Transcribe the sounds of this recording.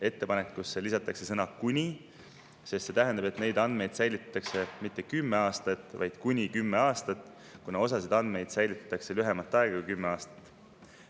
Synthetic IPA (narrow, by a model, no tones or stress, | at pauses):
e̞t̪ːe̞pɑnekːusːelisɑt̪ːˑɑkse̞sɤnɑkunʲi | sest̪se̞t̪æɦend̪ɑbe̞t̪ne̞jd̪ɑnd̪̥me̞jd̪̥sæjlit̪ːt̪ːˑɑkse̞mit̪ːe̞kymːe̞ɑːst̪ɑt̪ːˑvɑjd̪̥kunʲikymːe̞ɑːst̪ɑt̪ːˑ | kunɑo̞sɑsid̪ɑnd̪̥me̞jd̪̥sæjlit̪ːˑɑt̪ːˑɑkse̞lyɦe̞mɑt̪ˑːɑeɡ̥ɑkuijkymːeɑːst̪ɑ̥t̪ːˑ